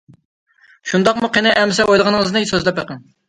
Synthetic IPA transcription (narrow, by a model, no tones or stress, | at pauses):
ʃund̪ɑqmuqʰenɪʔɛmsɛʔojlˠəʁɑnəŋəznɨsøzlɛpəqəŋ